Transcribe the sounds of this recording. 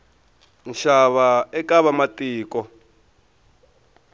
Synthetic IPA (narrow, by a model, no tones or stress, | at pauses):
nʃaβaɛkaβamatʼiːkɔ